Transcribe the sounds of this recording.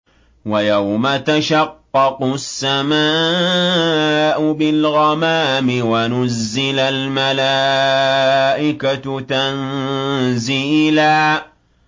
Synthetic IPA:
wajawmat̪aʃɑqːɑqʊsːamaː | ʔʊbɪlɣɑmaːmɪwanʊzːɪlalmalaː | ʔɪkatt̪an | ziːlaː

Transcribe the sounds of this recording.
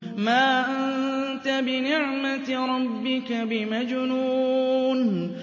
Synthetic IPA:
maːʔannt̪abɪnɪʕmaɾˤɑbːɪkabɪmad͡ʒnuːn

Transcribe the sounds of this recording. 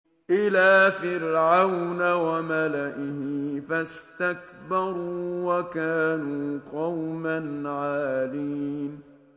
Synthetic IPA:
ʔɪlaːfɪɾʕawnawamalaʔɪhɪfast̪ak̚bɑɾˤuːwakaːnuːqɑwmanʕaːliːn

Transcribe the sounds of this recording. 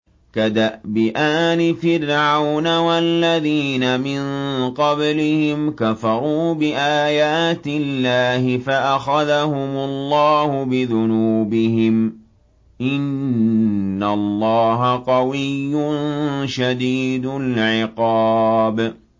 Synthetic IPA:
kad̪aʔbɪʔaːnɪfɪɾʕawnawalːaðiːnamɪnqɑblɪhɪmkafɑɾˤuːbɪʔaːjaːt̪ɪlːaːhɪfaʔaxaðahʊmʊlˤːɑːhʊbɪðʊnuuːbɪɦɪm | ʔɪnː | alˤːɑːɦaqɑwɪjːʊnʃad̪iːd̪ʊlʕɪqɑːb

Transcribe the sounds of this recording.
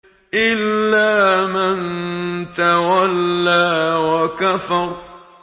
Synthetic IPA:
ʔɪlːaːmant̪awalːaːwakafɑɾˤ

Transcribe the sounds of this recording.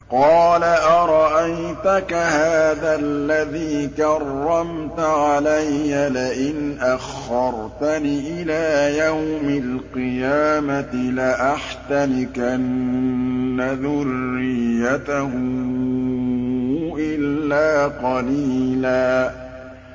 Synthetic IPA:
qɑːlaʔɑɾˤɑʔajt̪akahaːðalːaðiːkɑrːɑmt̪aʕalajːalɪʔɪnʔaxːɑɾˤt̪aniʔɪlaːjawmalqɨjaːmat̪ɪlaʔaħt̪anɪkʔanː | aðʊrːɪjːat̪ahʊ | ʔɪlːaːqɑliːlaː

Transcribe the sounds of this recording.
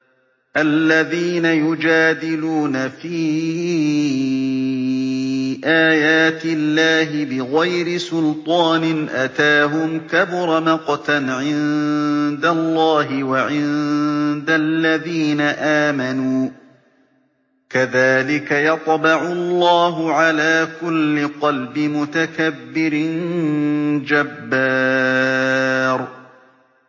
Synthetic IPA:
ʔalːaðiːnajʊd͡ʒaːd̪ɪluːnafiː | ʔaːjaːt̪ɪlːaːɦɪbɪɣajɾɪsʊlt̪ˤɑːnɪʔat̪aːɦʊmkabʊɾˤɑmɑqɑt̪anʕɪnd̪alˤːɑːɦɪwaʕɪnd̪alːaðiːnaʔaːmanuː | kaðaːlɪkajɑt̪ˤbɑʕʊlˤːɑːɦʊʕalaːkʊlːɪqɑlbɪmʊt̪akabːɪɾɪn | d͡ʒabːaː | ɾ

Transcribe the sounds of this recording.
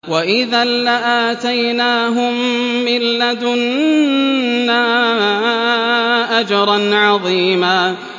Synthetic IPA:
waʔɪðaːaʔaːt̪ajnaːɦʊmːɪlːad̪ʊn | aːa | ʔad͡ʒɑɾˤɑnʕɑðˤiːmaː

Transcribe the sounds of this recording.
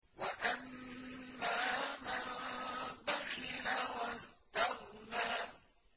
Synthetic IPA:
waʔamː | aːma | baxɪlawast̪ahnaː

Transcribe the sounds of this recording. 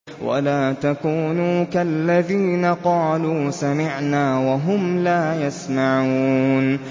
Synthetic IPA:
wa̰laːt̪akuːnuːkalːaðiːnaqɑːluːsamɪʕnaːwaɦʊmlaːjasmaʕuːn

